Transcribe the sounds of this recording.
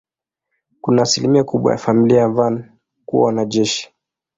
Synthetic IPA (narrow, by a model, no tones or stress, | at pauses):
kunaːsilimiɔkuɓwa̰ja̰familiajavan | kuwa̰wanaʄɛʃi̥